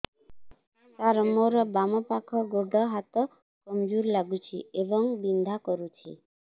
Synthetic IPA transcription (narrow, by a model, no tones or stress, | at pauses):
saɾəmoɾɔbamɔpakʰɔɡoɖɔɦat̪ɔ | kɔmd͡ʒuɾlaɡut͡ʃʰiʔebɔŋbind̪ʱakɔɾut͡ʃʰḭ